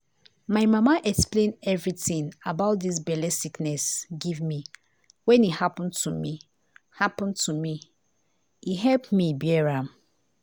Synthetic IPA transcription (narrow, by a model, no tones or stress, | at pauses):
maɪmamaʔɛksplẽnɛvɹitĩnabaʊt̚dis̬bɛlɛsiknɛsɡivmi | wɛ̃nihapɔ̃ntʰumi | hapɔ̃ntʰumi | iɦɛlpmibjɛɹãm